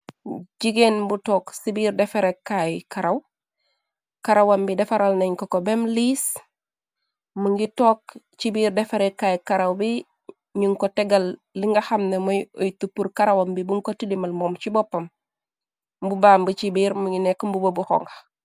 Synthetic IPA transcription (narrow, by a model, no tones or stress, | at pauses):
ɟiɡenbutoːksibiːɾdefeɾekːajkaɾaw | kaɾawambidefaɾalneɲkokobemliːs | muŋɡitok | t͡ʃibiːɾdefeɾekːajkaɾawbi | ɲuŋkoteɡalː | iŋɡahamnemojojtupːuɾkaɾawambibuŋkotilimalmoːmt͡ʃibopːɐm | mbubaːmbut͡ʃibiɾmuŋɡinekmbubobuho̰ŋɡa